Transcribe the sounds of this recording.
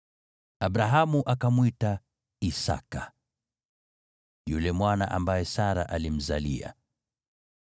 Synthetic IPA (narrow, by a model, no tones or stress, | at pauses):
abɾaɦamuʔakamwita | isa̰ka | julɛmwana̰ʔambajɛsaɾa̰ʔalim̩zalḭa̰